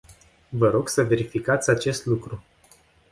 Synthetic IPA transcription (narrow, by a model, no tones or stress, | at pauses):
vəɾo̞ɡsəve̞ɾifikat̪sʲat͡ʃe̞st̪lukɾu